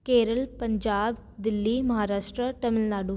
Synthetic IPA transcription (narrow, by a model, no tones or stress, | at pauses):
keːɾəlpɐɲd͡ʒaːbd̪ɪlːimɐɦaːɾaːʃʈɾəʈɐmɪlnaːɖu